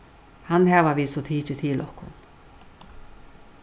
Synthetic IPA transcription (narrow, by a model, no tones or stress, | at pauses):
hanɦɛːʋaviːsɔt̪ʰiːt͡ʃɪt̪ʰɪːlɔhkʊ̰n